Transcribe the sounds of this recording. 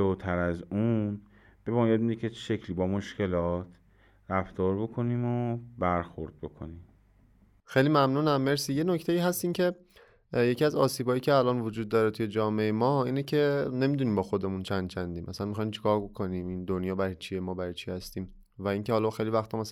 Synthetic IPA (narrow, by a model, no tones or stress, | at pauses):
ot̪ʰæɾæzun | b̥e̞mɒːjɒːd̪̚mid̪ekʲʰeʃecʰliːbɒːmoʃce̞lɒːt̪ʰ | ɾæft̪ɒːɾbe̞kʰoniːmobæɾxoɾd̪̥̚be̞kʰo̰nim | xejliːmæmnuːnæmːeɾsiːje̞nocʰt̪ʰe̞iːɦæst̪iːŋcʰe̞ | je̞cʰiæzɒːsiːbɒːjiːcʰeælɒːnvod͡ʒuːd̪̚ːɒːɾet̪ʰuje̞d͡ʒɒːmeejemɒːiːnecʰe̞ne̞mid̪unimbɒːxo̞d̪e̞munt͡ʃʰænd̪̥̚t͡ʃʰænd̪iːmʔæ̰sænmixɒjimt͡ʃʰi̥kʰɒːɾbo̞kʰo̞niːmind̪onjɒːbæɾɒjt͡ʃʰiemɒːbæɾɒjt͡ʃʰihæst̪iːm | væiŋcehɒːlɒxejlivæxt̪ʰɒmæs